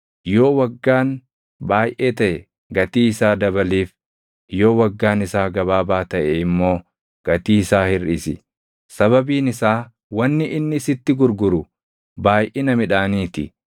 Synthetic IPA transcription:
jo̞ːwɐɡːaːn | baːjʔeːt̪ɐʔɛ | ɡɐt̪iːɪsaːd̪ɐbɐliːf | jo̞ːwɐɡːaːnɪsaːɡɐβaːbaːt̪ɐʔɛɪmːo̞ː | ɡ̥ɐt̪iːsaːhɪrisɪ | sɐβɐbiːnɪsaː | wɐnːɪʔɪnːɪsɪt̪ːɪɡʊɾɡʊɾʊ | baːjʔenɐmɪᶑaːniːt̪ɪ

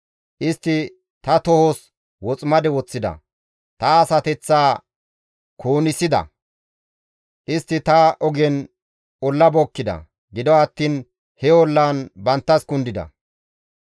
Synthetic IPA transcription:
ʔɪst̪ːɪ | t̪ɐt̪ɔhɔs | wɔt͡sʼmɐd̪ɛwɔt͡sːɪd̪ɐ̰ | t̪ɐːsɐt̪ɛt͡sːaː | kʰoːnɪsɪd̪ɐ̰ | ʔɪst̪ːɪt̪ɐʔɔɡɛn | ɔlːɐbɔkːɪd̪ɐ̰ | ɡɪd̪ɔɐt̪ːiːn | hɛɔlːaːnbɐnt̪ːɐskʊnd̪ɪd̪ɐ̰

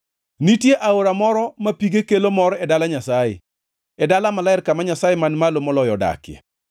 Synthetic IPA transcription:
nitjeʔaoɾamɔɾɔmapiɡekelomɔɾɔɛdalaɲasajḛ | ɛdalamalaɛrkːamaɲasajemanmalomɔlɔjɔda̰kjḛ

